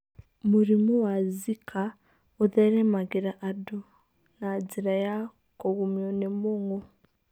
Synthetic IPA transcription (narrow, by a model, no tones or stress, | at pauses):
muɾimuwazikʰa | oðeɾemaɡiɾaʔado | nad͡ziɾaja | koɣumjonemoŋo